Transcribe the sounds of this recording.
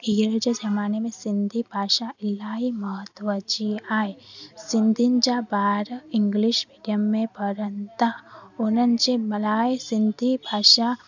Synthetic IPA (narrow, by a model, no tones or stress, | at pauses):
ijɾd͡ʒəd͡ʒɐmaːnemẽsɪ̃nd̪ʱibʱaːʃaɪlːaːɦimɐɦət̪ʋət͡ʃiaːesɪ̃nd̪ʱind͡ʒabaːɾɪŋɡliʃmiːɖijəmːẽpəɾənt̪aonɐnt͡ʃemɐlaːesɪ̃nd̪ʱibʱaːʃa